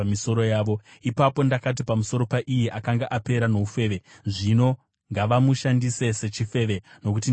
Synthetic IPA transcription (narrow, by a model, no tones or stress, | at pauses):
miso̞ɾo̞jaːʋo̞ipapo̞ndakat̬ipamuso̞ɾo̞paʔijeʔakaŋɡaʔape̞ɾano̞ufe̞ʋe̞ | ʐino̞ | ŋɡaʋamuʃandise̞se̞t͡ʃife̞ːʋe̞no̞k̬uti